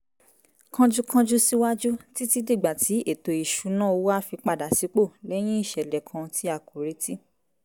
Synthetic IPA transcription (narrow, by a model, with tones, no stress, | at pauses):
kã˧d͡ʒu˦kã˧d͡ʒu˦si˦wa˦d͡ʒu˦ti˦ti˦di˦˨ɡ͡ba˨ti˨˦e˦˨to˨i˨ʃu˨˦nã˦˨o˧wa˦˨fi˧k͡pa˧˨da˨si˨˦k͡po˦˨lɛ˦j̃ĩ˦i˦˨ʃɛ˨lɛ˨kʰã˧ti˦a˦˨ko˨ɾe˧˦ti˦